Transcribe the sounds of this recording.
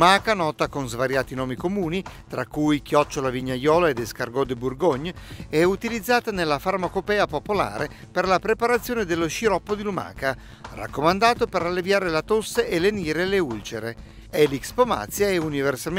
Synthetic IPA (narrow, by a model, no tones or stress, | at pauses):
maːkanɔːt̪akonzvaɾjaːt̪inɔːmikomuːnit̪ɾakːujkjɔt͡ʃːolaviɲːajɔːlaed̪eskarɡɔd̪eburɡoɲːɛut̪ilid̪zːaːt̪anelːafarmakopɛːapopola̰ːɾe | perlapɾepaɾat̪sːjoːned̪elːoʃiɾɔpːod̪iluma̰ːka | ra̰kːomand̪aːt̪opeɾalːevjaːɾelat̪osːeʔeleniːɾeleult͡ʃeɾe | ɛlikspoma̰t̪sjaɛuniversa